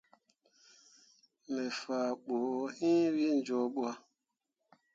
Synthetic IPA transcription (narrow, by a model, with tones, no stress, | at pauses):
mɛ˨fa˨ɓoː˨˦hĩ˦wi˦n̩˦d͡ʒɔ˦ɓu˦a˦